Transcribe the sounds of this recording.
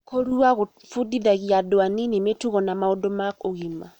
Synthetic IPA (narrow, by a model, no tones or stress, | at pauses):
koɾuaɣo | fudiðaɣiadoaninemetuɣɔnamaodomakoɣima